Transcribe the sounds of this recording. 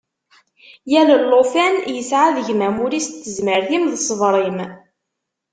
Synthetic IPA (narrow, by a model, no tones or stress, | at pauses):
jæləlːofænjəsʕaðəʝmæmuɾist̪ːəzməɾθimðəsˤəvɾˤim